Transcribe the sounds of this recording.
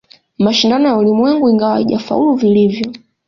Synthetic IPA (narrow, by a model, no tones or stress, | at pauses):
maʃindanɔjaulimwɛŋɡuiŋɡawa̰iʄa̰fa̰uluvilivjɔ